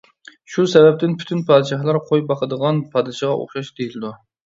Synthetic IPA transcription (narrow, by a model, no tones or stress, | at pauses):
ʃusɛvɛp̚t̪ɪnpʰy̥t̪ʰynpʰɑːd̪ʃɑhlˠɑɾqʰojbɑqəd̪əʁɑnpʰɑːd̪ɨʃɑʁɑʔo̰χʃɑʃd̪ejilɪd̪u